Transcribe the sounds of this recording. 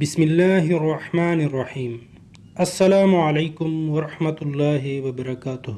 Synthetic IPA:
bɪsmɪlːaːhʔɑrˤːɑħmaːnʔɑrˤːɑħiːm | ʔasːalaːmʊʕalajkʊmwɑɾˤɑħmat̪lˤːɑːɦɪwabɑɾˤɑkaːt̪ʊh

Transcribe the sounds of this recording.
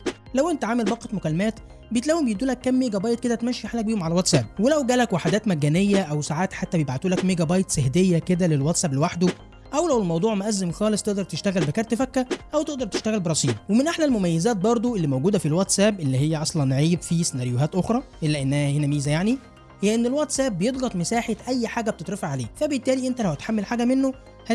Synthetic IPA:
læwʔent̪æʕaːmelbɑqːɑt̪mokælːmæːt̪ | bejet̪læwːembejed̪ːuːlækːæmːeːɡæbɑːjt̪̚ked̪æt̪mæʃːiħalːæk̚biːhomʕalæwæt̪sæb̚welæwɡæːlækwaħad̪æːt̪mæɡːænejːæʔæwsaʕaːt̪ħat̪ːæbjebʕat̪uːlækmeɡæbɑːjt̪sehd̪ejːæked̪ælelwæt̪sæblwaħd̪o | ʔæwlæwelmɑwd̪ˤuːʕmæʔæzːemxæːlesˤt̪eʔd̪ɑɾˤt̪eʃt̪æɣælbekæɾˤt̪efækːæʔæwt̪eʔd̪ɑɾˤt̪e̥ʃt̪æɣælbeɾˤɑsˤiːbwemenʔeħnælmomæjːezæːt̪̚bɑɾˤd̪ˤoʔelːimowɡuːd̪æfilwɑt̪sæːbʔelːiɦejːæʔɑsˤlɑnʕiːbfist̪enæɾjoɦæːt̪ʔoxɾˤɑʔelːæʔenːæhæhenæmiːzæjaʕni | hejːæʔenːelwɑt̪sæːbːejed̪ˤɣɑt̪ˤmesaːħet̪ʔæjːħaːɡæb̚t̪et̪ˤɾefæʕaleːfæbet̪ːæːliʔent̪ælæwæt̪ħamːelħaːɡæmenːo | hæ

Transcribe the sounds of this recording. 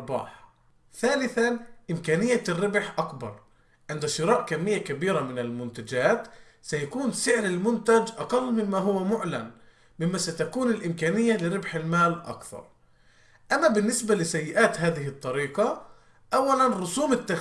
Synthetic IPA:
bɑ̰ːħ | θaːlɪθanʔɪmkaːnɪjːarːɪbħʔakbɑ̰ɾˤ | ʕɪnd̪aʃɨɾɑːʔkamːɪjːakabiːɾamɪnɪlmʊnt̪ad͡ʒaːt̪ | sajakuːnsɪʕɾɪlmʊnt̪ad͡ʒʔɑqɑlːmɪmːaɦʊwːamʊʕlan | mɪmːasat̪akuːnɪlʔɪmkaːnɪjːalɪɾɪbħɪlmaːlʔa̰kθɑ̰ɾˤ | ʔamːabɪnːɪsbalɪsajːɪʔaːt̪ɦaːðɪɦɪt̪ˤːɑɾiːqɑ | ʔawːalanɾˤʊsuːmɪt̪ːa

